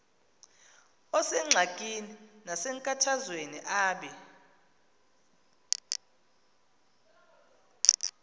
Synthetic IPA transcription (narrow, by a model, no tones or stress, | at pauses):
ɔsɛŋ͡ǀʱakʼininasɛŋkʼatʰazweniʔaːɓɛ